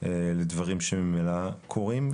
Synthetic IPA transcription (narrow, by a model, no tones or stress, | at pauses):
eled̪vaʁimʃemimelakʰo̞ʁim